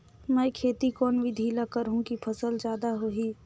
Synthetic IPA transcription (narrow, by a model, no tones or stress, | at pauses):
mɛ̃ːkʰeːt̪ikɔːnʋʱid̪ʱiːlakəɾɦũkipʰɐsəld͡ʒjaːd̪aɦoɦiː